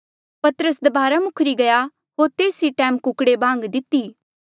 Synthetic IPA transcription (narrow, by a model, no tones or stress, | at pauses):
pɐt̪əɾəsd̪ɐbaːɾamʊkʰɾiɡɐja | ɦoːɾt̪eːsiʈɛ̃ːmkʊkɽebʱãːŋɡd̪ɪt̪ːiː